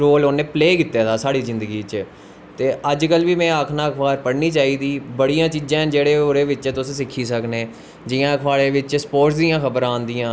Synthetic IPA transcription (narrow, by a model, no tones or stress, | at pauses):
ɾoːloːnẽːpleːkɪt̪ːeaːt̪ʰaːsaːɽiːzɪ̃nd̪əɡiːt͡ʃ | t̪eːəd͡ʒkəlʋiːmɛ̃ːaːkʰnaːkʰbaːɾpəɽniːt͡ʃaːiːd̪iːbəɽijãːt͡ʃiːd͡ʒãːd͡ʒeːɽeːoːɾeːʋɪt͡ʃːt̪ʊsẽːsɪkʰːiːsəkneː | d͡ʒɪjãːkʰʋaːleːʋɪt͡ʃspoːʈsd̪ijãːkəbəɾãːnd̪ijãː